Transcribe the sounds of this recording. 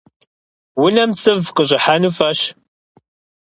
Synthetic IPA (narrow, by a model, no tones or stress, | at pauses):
wʊnɐmt͡sʼɨvqəɕʼɪħanufɐɕ